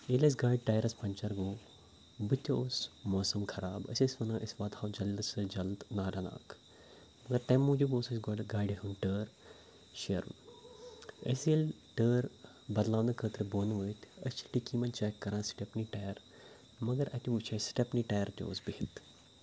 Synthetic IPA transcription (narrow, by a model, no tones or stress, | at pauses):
elɐs̬ɡaːiɖ̚ʈaːjɐɾɐspɐɲʲt͡ʃɐɾɡoː | bɨt̪ʲoːsmoːsɐmkʰɐɾaːbɐ̰sʲɐsʲʋɐnɐːʔɐsʋaːt̪haːwd͡ʒɐlsɨd͡ʒɐld̪naːɖɐna̰ːk | mɐɡɐɾt̪ɐmːoːd͡ʒuboːsɐsʲɡoːɖɡaːjɖiɦunʈəːɾ | ʃɐɾun | ə̰siɐl | ʈəːɾ | bɐd̪laːʋnɐkʰəːt̪ɾɨboːnʋəːt̪ʰɐst͡ʃʰilʈikiːmɐnt͡ʃaːkːɐɾãːnsʈepniʈɐjɐɾ | mɐɡɐɾɐt̪ʲuʋut͡ʃʰɐsʈepniʈaːjɐɾt̪ʲo̰ːsbihit̪